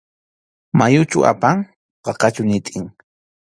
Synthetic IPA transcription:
majʊt͡ʃʊ̰a̰paŋ | ɢɑqɑt͡ʃʊnɪt̪ʼɪŋ

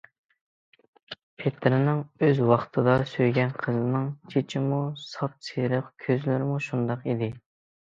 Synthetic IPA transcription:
pʰet̪ʰɾɪnɪŋøzwɑχt̪ʰɨd̪ɑsøjɡʲɛnqʰəzɨnɨŋt͡ʃʰet͡ʃʰimusɑp̚seɾəqkʲʰøzlɪɾɪmuʃund̪ɑqid̪ɪ

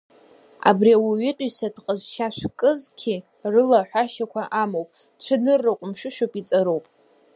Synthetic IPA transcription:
a̰briawiɥɪtʼɥsadqʼəzʃaʃʷᶣkʼɨzkʲʰi | rɨlaħʷᶣaʃakʷʰaʔamowpʼ | ʈ͡ʂʷʰɨnɨrːɨqʷʼʊmʃʷᶣɨʃᶣowpʼit͡sʼaɾowpʼ

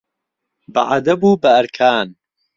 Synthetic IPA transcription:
bɐ̰ʔad̪ɐbuːbɐɐɾkʰaːn

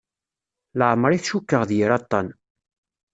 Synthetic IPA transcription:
ləʕmɾˤiθʃukːəʁðjəɾɑt̪ˤːɑn

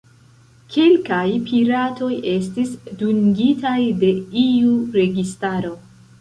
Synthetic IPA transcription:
kʰe̞lkajpʰiɾatʰo̞je̞stisduŋɡitajde̞iuɾe̞ɡistaɾo̞

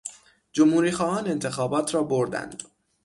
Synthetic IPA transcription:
d͡ʒomhuːɾiːxɒːʔɒːne̞nt̪ʰe̞xɒːbɒːt̪ʰɾɒːboɾd̪æ̰nd̪̥

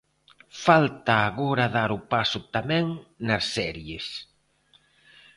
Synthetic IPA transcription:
falt̪aːɣoɾaðaɾʊpasʊt̪amɛ̃ŋnɐsːɛɾjes

